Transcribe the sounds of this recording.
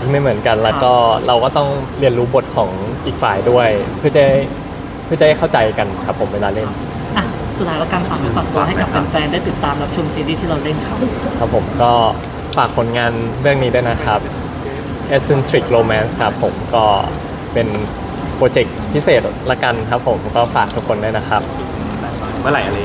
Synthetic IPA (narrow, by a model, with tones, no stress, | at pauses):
iː˥˩ma˥˩jmɯ˩˦ənka˧nlɛː˦˥wkɔː˥˩ɾa˧wkɔː˥˩t̪ɔ˥˩ŋli˧ənɾuː˦˥bo˨˩t̪̚kʰɔː˩˦ŋʔiː˨˩k̚faː˨˩jdu˥˩əjpʰɯ˥˩˨t͡ɕa˥˩j | pʰɯ˥˩t͡ɕa˧˩a˥˩jkʰa˥˩wt͡ɕa˧jka˧nkʰa˦˥pʰːo˨˩˦weː˧laː˧le˥˩n | ʔa˧˩˧ | laː˨˦la˦˥kaː˧npa˨˩ma˧pa˨˩t̪ːu˧˩ɦa˥˩jka˨˩a˧nfɛː˧ndaː˥˩jt̪i˨˩t̪ːaː˧mba˨˩p̚t͡ɕʰu˧msiː˧ɾiː˥˩t̪ʰiː˥˩ɾa˧wle˥˩nkʰa˦˥˩a˦˥pʰːo˨˩˦mkɔː˥˩ | faː˨˩k̚pʰo˨˩˦nŋaː˧nɾɯ˥˩əŋniː˦du˥˩˨jna˦˥kʰa˦˥p̚ | ʔe˦˥si˧nt̪ʰɾi˨˩k̚ɾoː˧mɛː˦˥nskʰa˦˥pʰːo˩˦mkɔː˥˩ | pe˧n | pɾoː˧t͡ɕe˨˩k̚pʰi˦˥seː˨˩t̪̚lɛ˦˥ka˧nkʰa˦˥pʰːo˨˩˦mkɔː˥˩faː˨˩k̚t̪ʰu˦˥kʰːo˧nduː˥˩jna˦˥kʰa˦˥p̚ | mɯ˥˩ɐla˨˩˦jʔa˧l